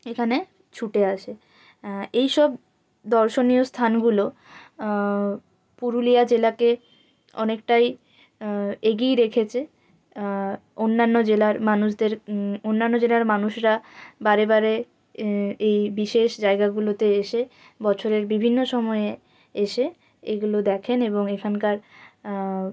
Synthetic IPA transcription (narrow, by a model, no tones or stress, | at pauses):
ekʰane | t͡ɕʰuʈeaʃʰe | ejʃɔb̚ | d̪ɔɾʃonijost̪ʰanɡulo | puɾulijad͡ʑelake | ɔ̰nekʈaj | eɡijɾekʰet͡ɕʰe | onːanːod͡ʑelaɾmanuʃd̪eɾonːanːod͡ʑelaɾmanuʃɾabaɾebaɾe | ejbiʃeʃd͡ʑaeɡaɡulot̪eeʃe | bɔt͡ɕʰoɾeɾbibʱinːoʃɔmɔee | eʃe | eɡulod̪ɛkʰeneboŋekʰankaɾ